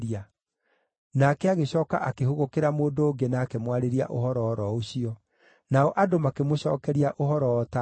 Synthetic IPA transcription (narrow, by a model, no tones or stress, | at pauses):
ɾia | nakɛaɣeɕɔːka̰ʔakehoɣokeɾamoːndoːŋɡenaːkemwaɾeɾia̰ʔohɔɾɔːɾɔoɕiɔ | naɔʔadomakemoɕɔːkɛɾiaʔohɔɾɔɔta